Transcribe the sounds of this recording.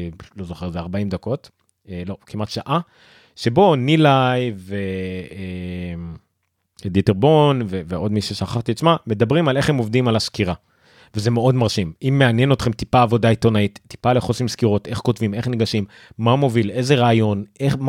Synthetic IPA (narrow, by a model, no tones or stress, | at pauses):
lo̞zo̞χeʁzeaʁbaimd̪ako̞t | lo̞kimatʃaʔa | ʃe̞bo̞nilajvee | d̪iteʁbo̞nveveʔo̞dmiʃeʃaχaχt̪iat͡smame̞d̪abʁimale̞χemo̞vdimalaskiʁa | veze̞meo̞dmaʁʃimimːe̞anjeno̞t̪χe̞mtipaːvo̞dait̪onait̪ːi̥pale̞χosimskiʁo̞te̞χko̞tvime̞χniɡaʃimː | amo̞vile̞ze̞ʁaːjo̞nʔeχm